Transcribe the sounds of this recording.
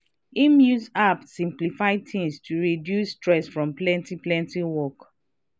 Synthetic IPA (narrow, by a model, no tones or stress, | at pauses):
imjusapsĩmplifaɪtʰĩmstʰuɹidjustɹɛsfɹɔ̃mplɛ̃ntiplɛ̃ntĩwɔk